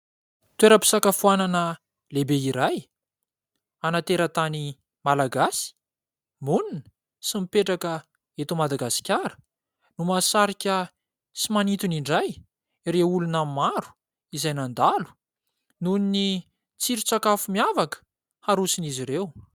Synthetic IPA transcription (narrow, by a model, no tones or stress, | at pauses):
t̪weɾəpi̥sakafuananə | lebeiɾaj | anat̪eɾət̪ani | malaɡasi̥ | muninə̥ | simipeʈ͡ʂakə | et̪umad̪aɡasi̥kʲaɾə̥ | numasaɾikʲə | t͡simanit̪uniɳɖ͡ʐaj | ɾeulunammaɾu̥ | izajnand̪alu̥ | nunini | t͡siɾit͡sakafumiavakə̥ | haɾusiniziɾew